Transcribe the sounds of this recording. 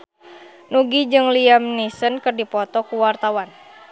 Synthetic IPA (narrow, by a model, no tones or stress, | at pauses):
nuɡid͡ʒɨŋliamnisənkɨrdipɔt̪ɔkuwart̪awan